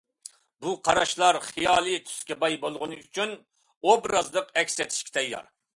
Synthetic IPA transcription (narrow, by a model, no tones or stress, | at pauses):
buqʰɑɾɑʃlˠɑɾχijɑːlˠɨt̪ʰy̥skʲɛbɑjbolˠʁʊnɨyt͡ʃʰyn | obɾɑzlˠəqɛkʲsɛt̪ʰi̥ʃkʲi̥t̪ʰɛjːˠɑ̰ɾ